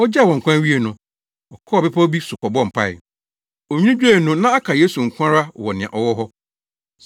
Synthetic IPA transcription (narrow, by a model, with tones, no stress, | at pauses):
ɔ˦d͡ʑɛ˦˨wɔ̃˨ŋ̩˨kʷã˦ɥi˦e˨nʊ̃˨ | ɔ˨kʰɔ˦˨bɪ˦pʰa˦bi˦sʊ˨kɔ˨bɔ̃˦m̩˨pʰa̰˦˨ɪ̰˨ | o˨ɲᶣ˦ĩ˦d͡ʑᶣe˦˨nʊ̃˦nã˦a˦kʰa˨jeː˦su˨ŋ̩˨kʷʰã˦ɾa˦˨wɔ˨nɪ̃˨ã̰˨ʔɔ˨wɔ˦ɦɔ˦